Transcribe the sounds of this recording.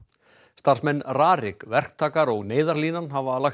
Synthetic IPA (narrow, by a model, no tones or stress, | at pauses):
st̪ar̥smɛnːraːɾɪkvɛr̥k̚t̪ʰaːkaɾɔɣneːjðaɾliːnanɦavaːlax